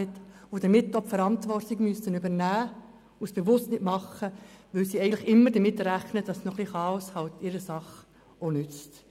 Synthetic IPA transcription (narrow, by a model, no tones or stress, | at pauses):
ɪtod̥əmɪtːɔpfəɾɑntʋɔrtiɡmyəsənybəɾnæː | ʊsb̥eʋʊstnɪtmɑχəʋɪlsiɛɪən̩tləχɪmːəɾdəmɪtɾæχnəd̥ɑsnɔχliχɑːɔshɑltɪɾəsɑχ | onʏt͡st